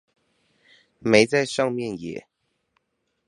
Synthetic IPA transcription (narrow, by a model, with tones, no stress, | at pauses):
me˧˥ɪt͡sa˥˧ɪʂɑ˥˧ŋmjɛ˥˩njɛ̰˨˦